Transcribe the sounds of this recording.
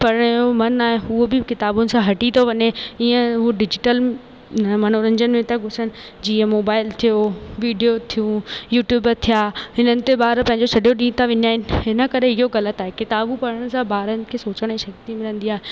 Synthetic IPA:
pɐɾəɽ̃jomɐnaːɦeɦuobɪkɪt̪aːbʊnɪ̆sãɦɐʈit̪ʰoʋɐɲeiːə̃ɦɖɪd͡ʑɪʈəl | nəmɐn̤oɾɐ̃ɲd͡ʑənɪ̆mẽt̪ɐɡʱʊsəɽ̃ɪ̆ | d͡ʑiːə̃moːbaːɪlt̪ʰijoʋiːɖijot̪ʰijũjuːʈjuːbt̪ʰijaːɦɪnənɪ̆t̪ebaːɾpɐ̃ɦɪ̃ɲ̆d͡ʑosʰɐɖʱijoɗĩːt̪ʰaʋɪɲaːɦɪnɪ̆ɦɪnə̆kɐɾeɪɦoɣɐlət̪aːɦekɪt̪aːbupɐɾəɽ̃ɪ̆sãbaːɾənɪ̆kʰeːsoːt͡ɕəɽ̃eʃɐkt̪imɪlə̃nd̪iaːɦe

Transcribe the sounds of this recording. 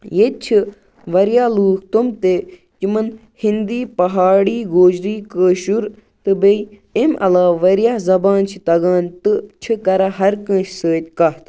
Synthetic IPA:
jet̪̚t͡ʃʰi | ʋɐɾjaːluːkʰt̪umt̪e | kimɐn | hind̪iːpɐɦaːɽiːɡoːd͡ʒɾiːkəːʃuɾ | t̪ɨbej | emʔɐ̰laːʋɐɾijaːzɐbaːnt͡ʃʰit̪ɐɡaːnt̪ɨt͡ʃʰikɐɾaɦɐɾkə̃ːʃsəːt̪̚ʲkɐɦt̪ʰ

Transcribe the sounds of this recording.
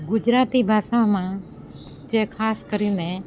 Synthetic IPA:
ɡʊd͡ʒɾaːt̪iːbʱaːʃãːmãː | d͡ʒeːkʰaːskəɾiːnẽ

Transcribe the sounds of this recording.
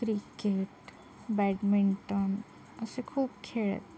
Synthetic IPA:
kɾikeːʈ | bɛːɖmɪɳʈən | ʊsekʰuːb̚kʰeːɭə̰t̪

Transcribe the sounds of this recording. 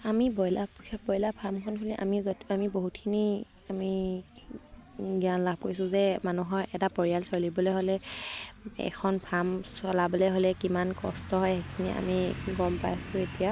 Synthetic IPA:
amibɔjlabɔjlapʰamkʰɔnkʰɔliʔa̰mizɔamiboɦutkʰini | ami | ɡianlab̚ʱkojsʊ̃zɛmanuɦɔɹʔɛtapɔɹijalsɔlibɔlɛɦolɛ | ɛ̰kʰɔnpʰamsɔlabɔlɛɦolɛkimankɔ̰stɔɦɔjɛkʰiniʔa̰miɡɔmpa̰jsʊetija

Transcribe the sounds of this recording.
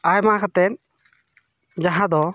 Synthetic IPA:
ajmãkʰat̪ɛn | d͡ʒaɦãd̪ɔ

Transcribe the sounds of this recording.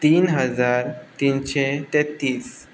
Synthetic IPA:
t̪iːnɦəd͡zaɾt̪inɕet̪et̪ːiːs

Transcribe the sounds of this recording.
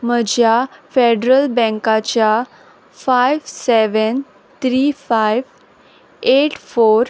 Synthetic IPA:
məd͡ʑʱjafeɖɾəlbɛ̃ŋkat͡ɕja | fajʋseʋən | t̪ʰɾifajʋ | eʈfoɾ

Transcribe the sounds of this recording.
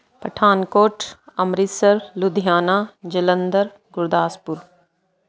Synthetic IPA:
pəʈʰaːnkoːʈɐmɾisəɾlud̪ʱijaːnaːd͡ʒələnd̪əɾ | ɡʊɾd̪aːspʊɾ

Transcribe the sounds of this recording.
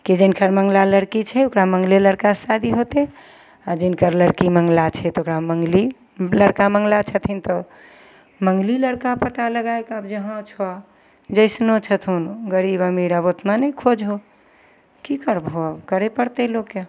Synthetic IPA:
kid͡ʒenkəɾməŋɡlaləɾkit͡ʃʰɛokɾaməŋɡleləɽkasad̪iɦot̪e | ad͡ʒinkəɾləɽkiməŋɡlat͡ʃʰɛt̪okɾaməŋɡli | ləɽkaməŋɡlat͡ʃʰət̪ʰint̪ɔ | məŋɡliləɽkapət̪aləɡaekəbd͡ʒəɦə̃t͡ʃʰɔ | d͡ʒəɪsnot͡ʃʰət̪ʰunɡəɾibamiɾəbot̪nanəkʰod͡ʒɦo | kikəɾbɦobkəɾepəɾt̪ɛloke

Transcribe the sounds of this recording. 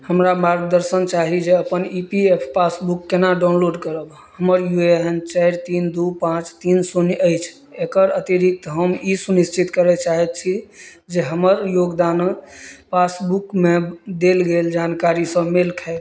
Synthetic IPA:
həmɾamaɾɡ̚d̪əɾsənt͡ʃaɦid͡ʒeəpənipiepʰpasbukːenaɖaʊnloɖkəɾəb | həməɾjueɦənt͡ʃɛɾt̪ind̪upãt͡ʃt̪insunjəjt͡ʃʰ | ekəɾət̪iɾik̚t̪ɦəmisuniʃt͡ʃʰit̪kəɾɛt͡ʃaɦɛt̪̚t͡ʃʰi | d͡ʒeɦəməɾjoɡd̪anpasbukmed̪elɡeld͡ʒankaɾisə̃melkʰɛɪt̪

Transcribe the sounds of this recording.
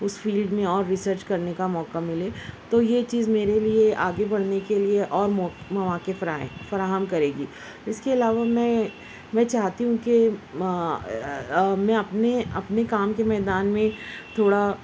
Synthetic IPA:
ʊsfiːlɖmẽɔːɾːɪsəɾt͡ʃkɐɾnekamɔːkamɪleːt̪oːjet͡ʃiːzmeːɾelieʔaːɡebɐɽ̤nekelieʔɔːɾmːmɐʋaːkefɐɾaːɦəmkɐɾeːɡiː | ɪskeɐlaːʋamɛ̃ | mɛ̃ːt͡ʃaːɦt̪iɦũke | mɛ̃ɐpneɐpnekaːmkemɛːd̪aːnmẽt̪ʰoːɽa

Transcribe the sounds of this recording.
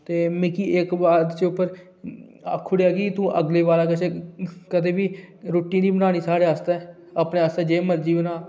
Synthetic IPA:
t̪eːmɪkiːʔɪkbaːd̪t͡ʃʊpːəɾ | kʰːʊɽjaːɡiːt̪ũːʔə̰ɡleːʋaːlaːkət͡ʃekəd̪eːbiːɾoːʈːĩːd̪iːbənaːñiːsaːɽeːast̪ɛː | aːpneːaːst̪ɛːd͡ʒeːməɾd͡ʒiːbənãː

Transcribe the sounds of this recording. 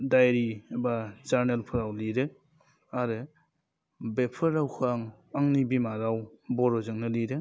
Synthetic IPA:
dajɾibazaɾnelpʰɯɾawliɾɯ | aɾɯ | bepʰɯɾawkʰaŋ | aŋnibimaɾawbɔɾɔzɯŋnɯliɾɯ

